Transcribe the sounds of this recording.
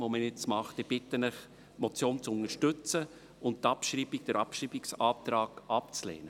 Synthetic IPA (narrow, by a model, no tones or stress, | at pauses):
ʋoməɪt͡smɑχtɪb̥ɪtːənɪχ | mɔt͡sjoːnt͡sʊnəɾʃtʏt͡sə | ʊntt̪ɑpʃɾiːbiɡ̚d̥əɾʔɑpʃɾiːbiksɑːt̪ɾɑːɡɑpt͡slɛ̰ːnə